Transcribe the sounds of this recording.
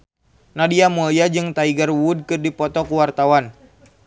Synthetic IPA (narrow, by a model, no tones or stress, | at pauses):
nadiamɔljad͡ʒɨŋt̪aiɡarwud̚kɨrdipɔt̪ɔkuwart̪awan